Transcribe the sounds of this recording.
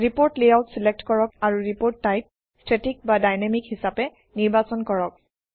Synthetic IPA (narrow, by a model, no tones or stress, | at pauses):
ɹipoɹtlejawtsilek̚tkɔɹɔkaɹuɹipoɹtːajp̚ | stʰɹetik̚badajnamikhisapɛ | niɹbasɔnkɔɹɔk̚